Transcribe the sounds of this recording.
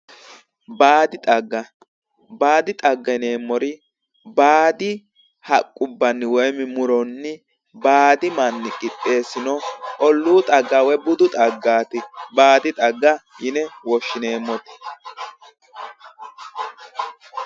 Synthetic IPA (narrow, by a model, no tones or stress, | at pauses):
baːd̪ɪt̪ʼɐɡːɐ | baːd̪ɪt̪ʼɐɡːɐne̞ːmːɔɾɪ | baːd̪ɪ | hɐkʼːʊbːɐnːɪwɔjmɪmʊɾɔnːɪ | baːd̪ɪmɐnːɪkʼɪpʼːe̞ːsɪnɔʔɔlːuːt̪ʼɐɡːɐwɛbʊd̪ʊt̪ʼɐɡːaːt̪ɪbaːd̪ɪt̪ʼɐɡːɐjɪnɛwɔʃːɪneːmːɔt̪ɪ̥